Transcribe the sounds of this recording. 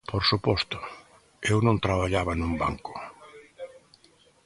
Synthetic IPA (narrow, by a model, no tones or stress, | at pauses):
pʰoɾsupɔst̪ʊ | ewnõnt̪ɾaβaʎaβanumba̰ŋkʊ̥